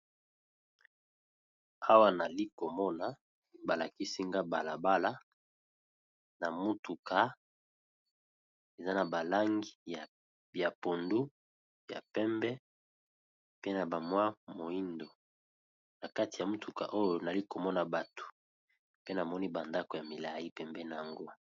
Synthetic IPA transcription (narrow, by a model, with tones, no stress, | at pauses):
a˦wa˦na˨li˦ko˨mɔ˦na˨ | ba˨la˨ki˦si˦ŋɡa˦ba˨la˨ba˦la˦ | na˨mu˦tu˨ka˨ | e˨za˦na˨ba˨la˦ŋɡi˦a˨ | ja˨po˨ndu˦ | ja̰˨pɛ˦mbɛ˦ | pe˦na˨ba˨mwa˦mo˨i˦ndo˨ | na˨ka˦ti˨a˨mu˦tu˨ka̰˨ʔo˦jo˨na˨li˦ko˨mɔ˦na˨ba˨to̥˨ | pe˦na˨mɔ˦ni˦ba˨nda˦ko˨ja˨mi˨la˨i˦pɛ˨mbɛ˦na˨ja˨ŋɡo˦